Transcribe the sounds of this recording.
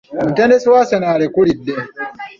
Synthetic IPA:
mutɛnesuwaːsɛnaːɾekuɽidːɛ

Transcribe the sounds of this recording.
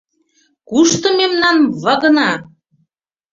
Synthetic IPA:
kuʃt̪ɤ̆memnɑnβɤ̆ɣɤ̆nɑ

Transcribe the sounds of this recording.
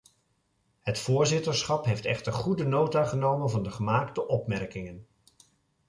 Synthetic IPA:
hətfʊːɹzɪtəɹsχɑpɦejftɛ̰χtəɹχudənowtaχənowmənvɑndəχəmaːktəʔɔpmɛɹkɪŋən

